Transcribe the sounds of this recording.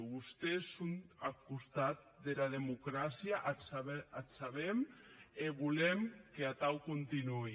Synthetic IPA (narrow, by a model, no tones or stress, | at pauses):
βust̪esunakust̪at̪̚d̪elaðemukɾasjaʔasaβeat̪saβemeβulemkeat̪awkunt̪inui